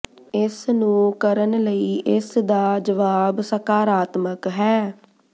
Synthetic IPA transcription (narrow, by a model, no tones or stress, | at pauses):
ɪsnũːkəɾənləiːʔɪsd̪aːd͡ʒəʋaːbsəkaːɾaːt̪məkɦɛː